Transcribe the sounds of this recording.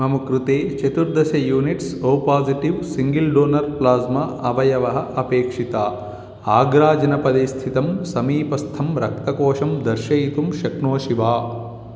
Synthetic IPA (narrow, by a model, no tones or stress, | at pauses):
mɐmukɾut̪eːt͡ʃɐt̪uɾd̪ʱɐsɐjuːniʈsoːpaːziʈiʋsiŋɡilɖoːnɐɾplaːzmɐɐbɐjɐʋɐɦɐʔɐpeːkʂit̪aː | aːɡɾaːd͡ʒɐnɐpɐd̪ist̪ʰit̪ɐmsɐmiːpɐst̪ʰɐmɾɐk̚t̪ɐkoːʂɐmd̪ɐɾʃɐjit̪umʃɐknoːʃiʋaː